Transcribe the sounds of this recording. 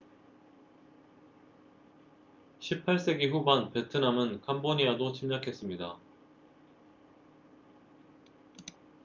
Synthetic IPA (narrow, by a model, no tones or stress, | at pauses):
ɕʰipʰːaɭs͈e̞ɡiɸubanpe̞tʰɯnamɯnkʰamboɲiadot͡ɕʰimɲakʰe̞s͈ɯmɲida̰